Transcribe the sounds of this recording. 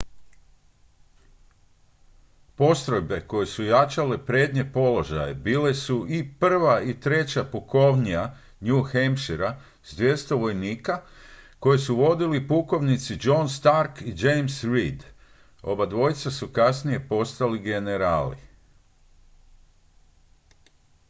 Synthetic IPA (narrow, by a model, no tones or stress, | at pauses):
po̞st̪ɾo̞jbe̞ko̞jesujat͡ʃalepɾed̪ɲe̞po̞lo̞ʒa̰jebiːle̞suʔipr̩ʋait̪ɾe̞t͡ɕapuko̞ʋɲija | ɲuxemʃiɾa | zd̪ʋje̞st̪o̞ʋo̞jniːkako̞jesuʋo̞d̪ilipuko̞ʋnit̪sid͡ʒo̞nst̪aɾkid͡ʒejmsɾid̪ | o̞̰bad̪ʋo̞jt̪sasukasnije̞po̞st̪aliɡe̞ne̞ɾaːlḭ